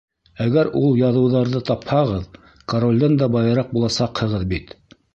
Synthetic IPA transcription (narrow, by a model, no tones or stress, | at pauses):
æɡæɾulˠjɑðɤ̆wðɑɾðɤt̪ɑphɑʁɤð | koɾolʲd̪ɑnd̪ɑbɑjɤ̆ɾɑq̚bulˠɑsɑqhɤ̆ʁɤðbit̪